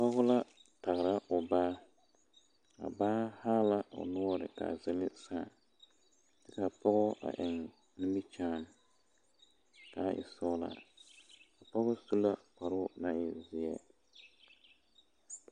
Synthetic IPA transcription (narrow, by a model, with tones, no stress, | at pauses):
pɔ˦ɣʊ˦la˦ta˨ɣɪ˨ɾa˦ʔʊ˨baː˦ | a̰˨baː˦haː˦la˦ʔʊ̰˨lɔ˦ɾɪ̰˨ka̰˨zɪ˦lɪ˦saː˦˨ | tɪ˦ka˨pɔ˦ɣɔ˦ʔa̰˨ʔɪ˨ŋ | nʊ˦mi˦t͡ʃaː˦˨n˨ | ka˨ʔɪ̰˨sɔ˦la̰˨ | ka˨pɔ˦ɣɔ˦su˦la˦k͡pa˨ɾʊ˦na˦ɪ˨zɪ˨ɛ˦